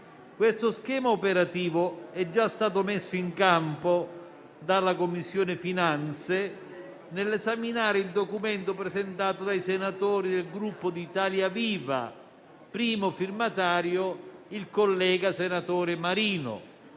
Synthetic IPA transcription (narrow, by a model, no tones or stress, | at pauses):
kwest̪ʊskɛːmaopeɾat̪iːvʊɛd͡ʒːast̪aːt̪ʊmesːʊiŋkampo | d̪alːakomːisːjoːnɪfinant̪se | nɪlːɛzaminaːɾɪild̪okument̪opɾɛzent̪aːt̪ʊd̪ajsenat̪oːɾid̪elɡɾupːʊd̪iːt̪aːljaviːva̰ | pɾiːmofirmat̪aːɾjoilkolːɛːɡasenat̪ɔːɾɪmaɾiːnʊ̰